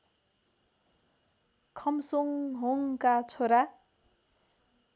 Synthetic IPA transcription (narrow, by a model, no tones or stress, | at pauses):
kʰʌmsoŋɦoŋkat͡sʰoɾa